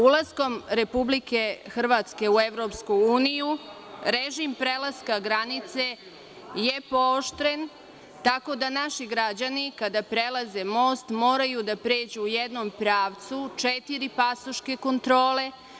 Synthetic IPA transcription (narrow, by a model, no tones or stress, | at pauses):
ulˠasko̞mɾe̞publike̞xr̩ʋat̪ske̞ueʋɾo̞pskuuːniju | ɾeʒimpɾelˠaskaɡɾanit̪se | jepoːʃt̪ɾen | t̪ako̞d̪anaʃiɡɾad͡ʑanikad̪apɾelaze̞mo̞ːst̪mo̞ːɾajud̪apɾe̞ːd͡ʑuːjed̪no̞mpɾaːʋt̪sut͡ʃet̪iɾipasoʃke̞ko̞nt̪ɾo̞ːle̞